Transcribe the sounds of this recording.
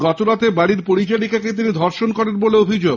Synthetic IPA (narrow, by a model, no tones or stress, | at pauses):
ɡɔt̪oɾat̪ʰebaɽiɾpoɾit͡ɕaɽikaket̪̬inid̪ʱɔɾʃonkɔɾenboleobʱid͡ʑoɡ